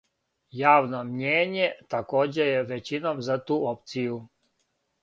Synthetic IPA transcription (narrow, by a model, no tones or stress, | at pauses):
jaːʋno̞mɲeːɲet̪akoːd͡ʑejeʋet͡ɕinomzat̪uːop̚t̪siju